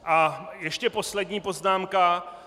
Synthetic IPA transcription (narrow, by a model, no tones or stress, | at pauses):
ʔajɛʃcɛpo̞slɛdɲiːpo̞znaːmka